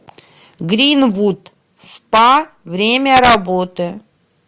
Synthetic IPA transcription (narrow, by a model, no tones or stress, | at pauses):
ɡɾʲinvut̪ | spa | vɾʲemʲəɾɐbot̪ɨ